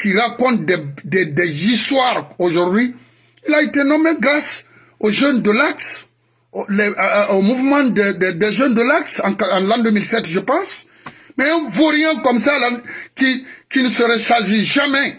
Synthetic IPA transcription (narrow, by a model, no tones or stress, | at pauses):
kiɾakɔ̃nt̪̚d̪ɛd̪ɛd̪ɛzist̪waɾoʒuɾd̪ɥi | ilaet̪enɔ̃mɛ̃ɡɾas | oʒønd̪əlaks | olɛomuvmɑ̃d̪ɛd̪ɛd̪ɛʒønd̪əlaksɑ̃kãlãd̪ømilsɛt̪ʒəpɑ̃s | mɛɛ̃voɾjɛ̃kɔmsalãkikinəsəɾɛsaziʒamɛ